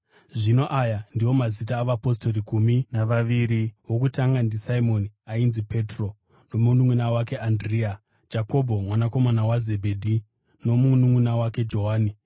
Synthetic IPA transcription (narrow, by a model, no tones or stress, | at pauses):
ʐino̞ʔajandiwo̞mazit̬aːʋapo̞sto̞rikuminaaʋiɾiwo̞kutaŋɡandisaimo̞niainzipe̞tro̞ | no̞munuŋunawake̞ʔandria | d͡ʒako̞bʱo̞mwanako̞manawazebʱeːdʱi | no̞munuŋunawake̞d͡ʒo̞ɦaːni